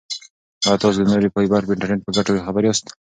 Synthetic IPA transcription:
aat̪ɑs̬d̪ənaɾipɑjbaɾpɪɳʈaɾneʈ̚pəɡaʈokxabəɾeɑst̪

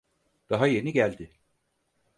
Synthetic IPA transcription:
d̪̥aɦaje̞niɟælʲd̪ɪ

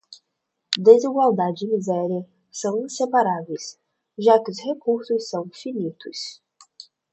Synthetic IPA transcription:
d̪eziɡwalˠd̪ad͡ʒɪd͡ʒimizɛɾiɐ | sɐ̃w̃ĩnsepaɾavejs | ʒakɪʊshekuɾsussɐ̃w̃finit̪us

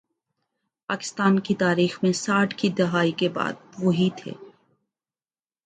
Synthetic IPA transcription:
paːkɪ̥st̪aːnkit̪aːɾiːxmẽsaːʈʰkid̪ɐɦaːikeba̰ːd̪ʋoɦit̪ʰḛː

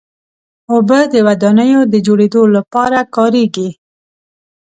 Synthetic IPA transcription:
obəd̪əwad̪ɑnəjod̪əd͡ʒoɽed̪olapɑɾakɑɾeɡi

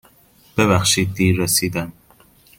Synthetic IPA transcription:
b̥eβæxʃiːd̪̚ːiːɾesiːd̪æm

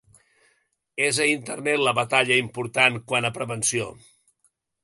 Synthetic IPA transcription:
ezəint̪ərnɛt̪ləβət̪aʎəimpuɾt̪ankwanəpɾəβənsio

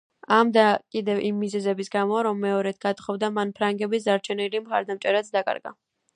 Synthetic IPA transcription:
amd̪akʼid̪ɛvimːizɛzɛbisɡamɔaɾɔmːɛɔɾɛt̪ɡ̥at̪χɔvd̪amanpʰɾaŋɡɛbis̬d̪aɾt͡ʃʰɛnɛlimχa̰ɾd̪amt͡ʃʼɛɾat̪sʰd̪akʼa̰ɾɡa̰

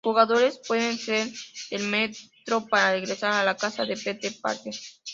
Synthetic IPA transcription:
xuɣaðo̞ɾe̞spwe̞ðenseɾelmet̪ɾopaɾareɣɾesaɾalakasaðe̞pet̪epa̰t̪e

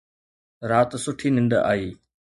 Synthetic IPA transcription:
ɾaːt̪sʊʈʰiːnɪ̃ɳɖ̰a̰ːiː

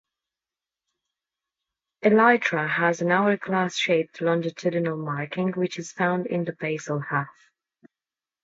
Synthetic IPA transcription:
ɪlaɪtʰɹ̥əəzə̃naʊəɹkʰl̥asʃeɪp̚ðlʌ̃ndətʰɪdnəl̩ˠmɑɹkɪ̃ŋwɪt͡ʃɨz̥fãʊ̃ndɪ̰̃nðəbeɪsəl̩ˠhaf

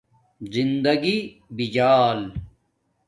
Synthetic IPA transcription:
zind̪ɐɡi | bid͡ʑaːl

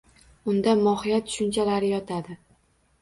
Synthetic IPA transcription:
ʊnd̪amɒhɪjat̪ːʰʊ̥ʃʊnt͡ʃʰalaɾɪjɒt̪ʰad̪ɪ

